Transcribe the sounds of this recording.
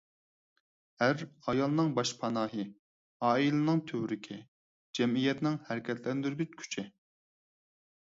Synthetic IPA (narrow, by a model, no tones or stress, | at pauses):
æɾɑjɑlˠɨnɨŋbɑʃpʰɑnɑːɦɨ | ɑːilɨnɨŋt̪ʰøwɾɪkʲʰɪ | d͡ʒɛmijɛt̪nɪŋhæɾkʲʰɛt̪lɛnd̪yɾɡʲyt͡ʃkʲʰy̥t͡ʃʰɪ